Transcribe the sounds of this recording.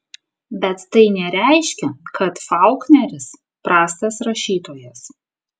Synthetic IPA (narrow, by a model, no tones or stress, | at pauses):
bʲɛt̪ːɐɪnʲɛɾʲæˑɪʃʲkʲɛkʰɐt̪fɑˑʊknʲɛɾʲɪs | pɾɑːst̪ɐsɾɐʃʲiːt̪oːjɛs